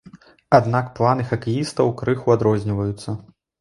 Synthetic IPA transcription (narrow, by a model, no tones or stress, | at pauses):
ad̪nakplˠanɨxɐkijist̪ɐwkɾɨxuad̪ɾɔzʲnʲivɐjut̪sːɐ